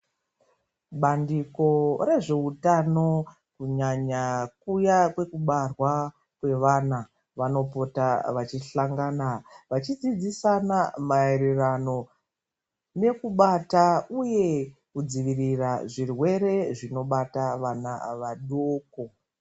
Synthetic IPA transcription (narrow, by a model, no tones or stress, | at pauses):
ɓandiko̞ɾe̞ʐe̞utano̞ | kuɲaɲakujakwe̞kuɓarwa | kwe̞ʋana | ʋano̞po̞taʋat͡ʃiɬaŋɡaːnaʋat͡ʃid͡zid͡zisanamaeɾerano̞ | ne̞kuɓatauje̞kud͡ziʋiriraʐirwe̞ɾe̞ʐino̞ɓataʋana̰ʋaɗoːko